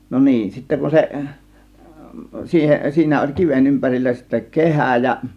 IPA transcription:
no niːn sitːe kun seʔ siːhen siːnæ olʲ kiʋen ympærilːæ sitːæ kehæˑ jɑ

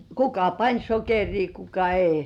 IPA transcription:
kukɑ pɑnʲ sokeriː kukɑ ei

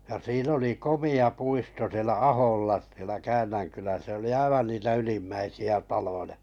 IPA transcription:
jɑ siːn oli komiɑ puisto sĭelæ ɑholːɑ sielæ kæːnːæŋkylæ se oli ɑiʋɑn niːtæ ylimːæisiæ tɑlojɑ

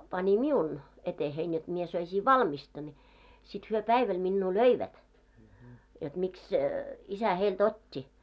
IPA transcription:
pɑnʲi miun etehein jot mie søisiː ʋɑlmistɑ nʲi sit hyø pæiʋæl minːuː løiʋæt jot miks isæ heilt otʲːi

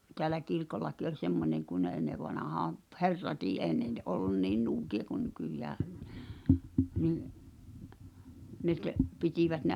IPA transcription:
teælæ kirkolːɑki olʲ semːoneŋ kun̆ ne enːeʋˑɑnɑhɑːm p herːɑtiː eˑi̞ ne n olːun niːn nuːkiɑ ku nykyjæː niːʔ ne t pitiʋæt ne

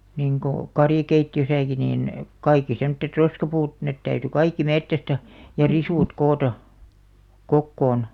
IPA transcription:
niŋko kɑrjɑ̆keitːiøsæki niːn kɑikːi semŏtːet roskɑpuːt net tæyty kɑikːi metːæstæ jɑ risuˑt koːtɑ kokːoːn

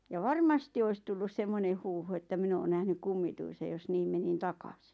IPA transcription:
jɑ ʋɑrmɑsti ois tulːus semːone huːhu etːæ min oːn næhny kumːituisej jos niːm menin tɑkɑsi̥

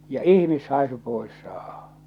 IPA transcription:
jɑ ihmishɑˑesu poˑes sɑːhɑ̥

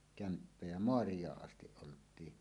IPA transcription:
kæmpːæ jɑ moɑrijˑɑːʔ ʔɑstiʔ ʔoltˑiː

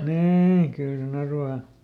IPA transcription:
niːi kyl sen ɑrʋɑː

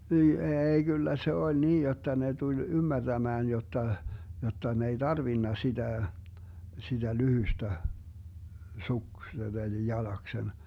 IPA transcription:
niː eːi kylːæ se olʲ niːj jotːɑ ne tulʲ ymːærd̥æmæːn jotːɑ jotːɑ ne ei d̥ɑrʋinːɑ sid̥æˑ sid̥æ lyhystæ suksen eli jɑlɑksen

